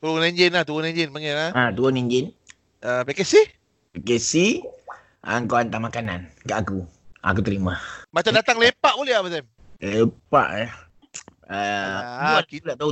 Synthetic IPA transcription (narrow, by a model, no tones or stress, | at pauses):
t̪ulʊneɲd͡ʒɪnat̪uwʊneɲd͡ʒɪnpaŋɛaat̪uoneɲd͡ʒɪn | əpekesi | pekesi | ʔa̰ŋkoant̪amakanankaʔakua̰k̬ut̪əɾimamat͡ʃamdat̪aŋlepaʔbolɛhapasɛm | lepa̰ʔa | ə | akiulaʔt̪au